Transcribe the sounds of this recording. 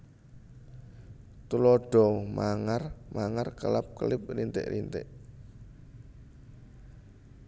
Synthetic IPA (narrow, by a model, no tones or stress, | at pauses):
t̪ulɔɖ̥ɔ̤maŋarmaŋarkəlap̚kəlɪp̚rint̪ɪ̰ʔɾint̪ɪʔ